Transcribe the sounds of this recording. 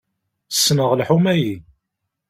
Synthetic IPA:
sːnəʁlħumæji

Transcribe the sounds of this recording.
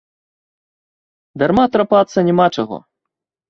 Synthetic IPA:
d̪armat̪ɾapat̪sːɐnʲɛmat͡ʂaɣɔ̰

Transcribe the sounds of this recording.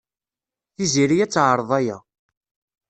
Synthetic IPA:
θiziɾijæt͡sːʕəɾˤəðˤæjæ̰

